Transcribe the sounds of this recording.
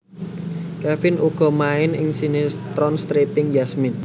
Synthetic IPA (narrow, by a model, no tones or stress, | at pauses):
kafɪnʔuɡ̥ɔ̤maɪnɪŋsinɪst̪ɾɔnst̪ɾepɪŋjasmɪn